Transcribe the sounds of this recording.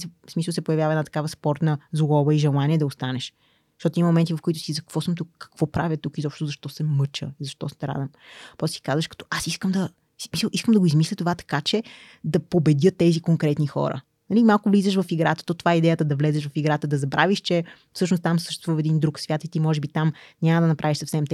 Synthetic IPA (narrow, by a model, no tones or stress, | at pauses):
sɛsmisəlˠsɛpojɐvjavəɐɛd̪nat̪ɐ̥kavəspɔɾt̪nəzlɔbəiʒɛlˠaniɛd̪ɐost̪anɛʃ | t̪ɔt̪ʊiməmomɛnt̪ivɐfkʊit̪ʊ̥sizɐkvɔsəmt̪ukkːɐ̥kvɔpɾa̰vʲət̪ukizɔpʃt̪ʊzɐʃt̪ɔsɛmɤt͡ʃə̰izɐʃt̪ɔst̪ɛɾa̰d̪ɐmpɾɔst̪si̥kazvəʃkɐ̥t̪ɔ̥ʔasiskəmd̪ɐ̥ | smisəlˠʔiskəmd̪ɐɡoizmislʲət̪ovat̪ɐ̥kat͡ʃɛ | d̪ɐpobɛd̪ʲɤt̪ːɛzikoŋkɾɛt̪nixɔ̰ɾə̰ | nɐlʲimalˠkʊvlizəʃvɐfiɡɾat̪ə̥t̪ɔt̪ovaɛid̪ɛjət̪əd̪ɐvlɛzɛʃvɐfiɡɾat̪əd̪ɐzɐbɾaviʃt͡ʃɛ | fsɤʃ̬nʊst̪amsə̥ʃt̪ɛst̪vufɛd̪ind̪ɾuksvʲjat̪it̪imɔʒɛbit̪amnʲaməd̪ɐnɐpɾʔaviʃsɐfsɛmt̪ɛ